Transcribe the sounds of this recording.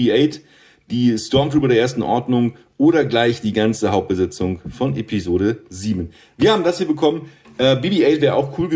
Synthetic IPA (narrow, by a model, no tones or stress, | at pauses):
iʔeɪt | d̥iːstɔɐmtʁ̥uːbədɾeːɐʔeːɐstn̩ʔɔɐdnʊŋ | ʔoːɾɐɡlaɪçd̥iːɡant͡səɦaʊp̚t̚b̥əzɛt͡sʊŋfɔnʔepizoːɾəziːbn̩ | viːɐhaːbm̩dashiːɐbəkʰɔmən | ʔɛːbiːbiːeɪtv̥ɛːʁʔaʊxkʰuːlɡə